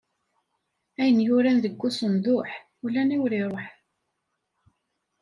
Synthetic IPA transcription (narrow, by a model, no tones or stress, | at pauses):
æjənjʊɾænðəɡʷːusənd̪ˤʊħ | ulːæniwɾiɾˤoħ